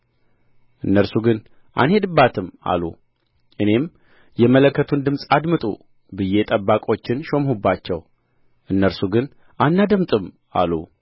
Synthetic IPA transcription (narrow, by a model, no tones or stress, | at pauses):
ʔɨnːəɾsuɡɨn | ʔa̰nhe̞d̪ɨbːat̪ʰɨma̰lṵ | ʔɨne̞m | jɛmələkːət̪ʰund̪ɨmsʼad̪mɨt̪ʼṵ | bɨje̞t̪ʼəbːakʼo̞t͡ʃːɪnʃo̞mhubːat͡ʃːɛw | ʔɨnːəɾsuɡɨn | ʔanːad̪əmt̪ʼɨm | a̰lṵ